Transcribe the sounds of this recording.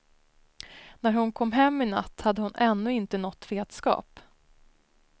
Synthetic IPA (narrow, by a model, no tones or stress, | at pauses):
næɾhʊnkʰɔmːɦɛmːɪna̰t̪ːhad̪ːəhʊnʔɛnːɵɪnt̪ənɔt̪ːveːd̪skɑ̰ːp